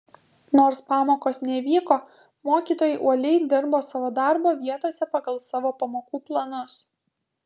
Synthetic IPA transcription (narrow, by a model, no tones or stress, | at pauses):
noːɾspɑːmoːkoːsnʲɛʋʲiːkoː | moːkʲiːt̪oːjɛɪʔuɔlʲɛɪd̪ʲɪɾboːsɑːʋoːd̪ɑɾboːʋʲiɛt̪oːsʲɛpɐɡɐlˠsɑːʋoːpɐmoːkuːplˠɐnʊs